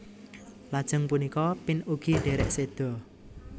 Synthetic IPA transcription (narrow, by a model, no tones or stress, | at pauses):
lad̥ʒ̥ə̤ŋpunikɔpɪnuɡ̥iɖ̥e̤ɾɛʔsed̪̥ɔ̤